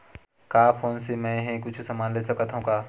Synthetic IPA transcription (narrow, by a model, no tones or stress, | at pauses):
kaːfʰoːnsemɛ̃ɦẽkʊt͡ʃʰsɐmaːnlesɐkat̪ɦũkaː